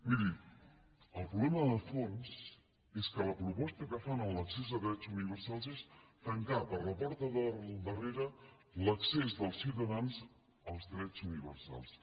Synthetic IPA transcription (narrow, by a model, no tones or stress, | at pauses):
miði | əlˠpɾulɛməðəfons | eskələpɾupɔst̪əkəfanəlləksezðəðɾɛt͡suniβəɾsalˠzest̪əŋkapəɾləpɔɾt̪əðəd̪əreɾə | ləksezðəlˠsiwt̪əðanz | əlˠzðɾɛt͡suniβəɾsa̰lˠs